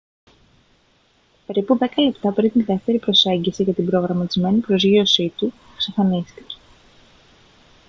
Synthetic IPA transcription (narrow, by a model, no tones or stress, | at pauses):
pe̞ɾipuðe̞kɐle̞pt̪ɐpɾint̪iðe̞ft̪e̞ɾipɾo̞se̞ɲɟisiʝɐt̪ibɾo̞ɣɾɐmɐt̪izme̞nipɾo̞zʝio̞sit̪u | ksɐfɐnist̪i̥ce̥